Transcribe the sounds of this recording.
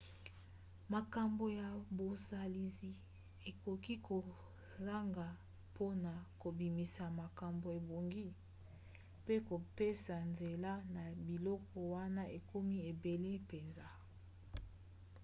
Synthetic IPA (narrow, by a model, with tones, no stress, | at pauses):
ma˨ka˨mbo˨ja˨bo˨sa˨li˨zi˨ | e˨ko˨ki˦ko˨ | za˦ŋɡa˨ | pʰo˦na˨ko˨bi˨mi˨sa˨ma˨ka˨mbo˨e˨bo˨ŋɡi˦ | pe˦ko˨pe˦sa˨nze˨la˦na˨bi˨lɔ˦kɔ˨wa˦na˦ʔe˨ko˦mi˦e˨be˨le˦pe˨nza˦